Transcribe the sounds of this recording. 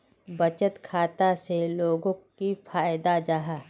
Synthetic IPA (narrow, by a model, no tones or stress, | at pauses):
bɐt͡ʃət̪kʰaːt̪aseloːɡõkifʰaːjd̪ad͡ʒaːɦa